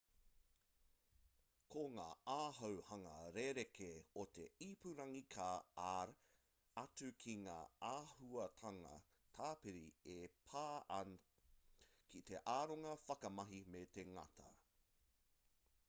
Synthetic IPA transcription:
kʰoŋaːaːɦɐwhɐŋɐɾeɾekʰeot̪ḛipuɾɐŋikʰaːɐɾ | ɐtukʰiŋa̰ːaːhuɐt̪ʰɐŋɐ̰ | t̪ʰaːpiɾiepʰaːɐ | kʰit̪eʔaːɾoŋɐfɐkɐmɐɦimet̪eŋɐ̰tʰɐ

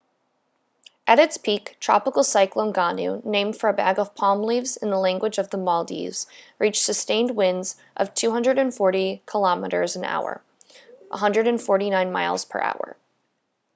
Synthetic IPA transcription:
ʔɨɾɨtspʰiktʰɹ̥ɑ̰pəkl̩ˠsaɪklˠõʊ̃nɡɑnʉ̰nẽɪ̃md̥fə˞ɨbæ̰ɡʌv̥pʰɑmlivzɨ̃nðəlæ̃ŋɡwɨd͡ʒʌvðəmɔlˠdḭvz̥ | ɹit͡ʃsɨstẽɪ̃nd̚wɪ̃ndz | ʔʌ̰v̥tʰʉɦʌ̃ndɹəɾɨ̃nfɔɹɾikʰəlɑməɾə̰˞zɨ̃na̰ʊə̰˞ | ʔə̰ɦʌ̃ndɹəɾɨ̃nfɔɹɾinãɪ̃nma̰ɪlˠz̥pʰə̰˞ʔa̰ʊə̰˞

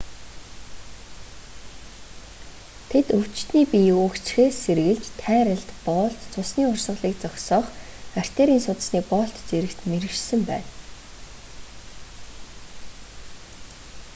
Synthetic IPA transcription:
t̪ʰet̪ɵw̥t͡ɕt̪niːpiʊːkt͡ɕxeːsːeɾɣɘ̆ɮt͡ɕt̪ʰæːɾə̆ɮt̪pɔːɬt̪t͡sʰʊsniːʊrsə̆ɮiːk̚t͡sɔkʲsɔːχar̥ʲt̪eːɾiːnsʊt̪̆sniːk̚pɔɬt̪t͡seɾɘ̆kt̪meɾɘ̆ʃsɘ̆mpæ̰ːn

